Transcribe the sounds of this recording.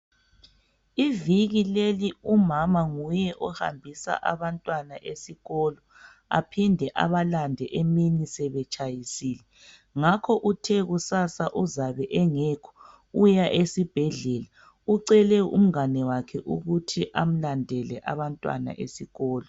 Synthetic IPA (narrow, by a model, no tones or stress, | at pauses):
iviɣileliumamaŋujɛʔɔha̰mbʱisa̰ʔaβantʼwanaʔesiɣɔlɔ | a̰pʰindʱɛʔa̰βalandʱɛʔeminisɛβɛt͡ʃʼajisiːlɛ | ŋakʰɔʔutʰɛɣusasaʔuzaβɛʔɛŋɛkʰɔ̥ | ujaʔesib̥ʱɛɮɛːla | uǀɛlɛṵm̩anɛwakʰɛʔuɣutʰiʔam̩landʱɛlɛ̰ʔa̰βantʼwa̰na̰ʔesiɣɔːlɔ